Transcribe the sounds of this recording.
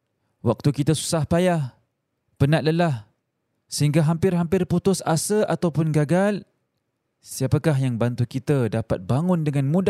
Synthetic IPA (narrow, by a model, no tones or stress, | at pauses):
wak̚t̪ukit̪asu̥sahpajah | pənaʔ̚ləlah | səɦiŋɡaɦampɪrɦampɪrput̪ʊsasəʔa̰t̪awpʊnɡaɡal | siapakaɦjaŋbant̪ukit̪adapa̰t̪̚baŋʊndəŋãnmũd